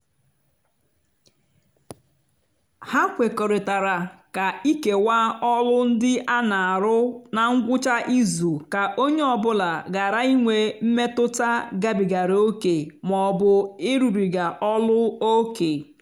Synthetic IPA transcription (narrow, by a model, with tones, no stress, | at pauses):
ha˦kʷe˨kɔ˨ɾɪ˨ta˨ɾa˨ka˨i˦ke˨wa˦ɔ˦lʊ˦n̩˦dɪ˦ʔa˦na˨a˨ɾʊ˦na˨ŋ̩˦ɡʷʊ˦t͡ʃa˦ʔi˦zu˨ka˨ʔo˦ɲe˦ɔ˨bʊ˦la˨ɡa˨ɾa˦i˦ŋʷe˨m̩˦me˦tʊ˦ta˦ɡa˦bi˨ɡa˨ɾo˦ke˨mɔ˨bʊ˨ɪ˦ɾu˨ɾi˨ɡa˨ʔɔ˦lʊ˦o˦ke˨